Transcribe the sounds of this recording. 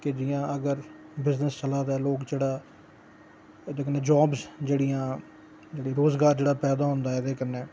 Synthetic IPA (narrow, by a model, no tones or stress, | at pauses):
kɪd͡ʒɪjãːəɡəɾbɪznəst͡ʃəlãːd̪ɛːloːkd͡ʒeːɽaː | d̪eːkənːeːd͡ʒaːbzd͡ʒeːɽɪjãː | d͡ʒeːɽiɾoːzɡaːɾd͡ʒeːɽaːpɛːd̪aːɦʊ̃ːnd̪aːɛːd̪eːkənːeː